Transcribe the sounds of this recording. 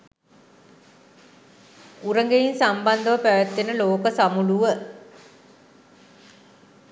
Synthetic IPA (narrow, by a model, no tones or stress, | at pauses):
uɾəŋɡejinsamband̪əʋəpæʋət̪ːenəloːkəsamuluʋə